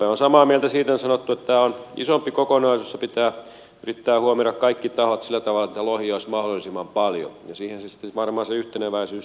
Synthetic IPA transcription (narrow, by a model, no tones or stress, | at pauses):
eonsɑmɑːmielt̪æsiːt̪ensɑnot̪ːuet̪t̪æːonḭsompːikokonɑisusepit̪æː | yrit̪ːæːhuomirɑkkɑikːit̪ɑhot̪silːæt̪ɑʋɑlːˑɑet̪ːælohioˑismɑhdolːˑisimːɑmpɑljo̰jɑsiːhensesi̥t̪ːeʋɑrmɑːseyht̪eneʋæisyːs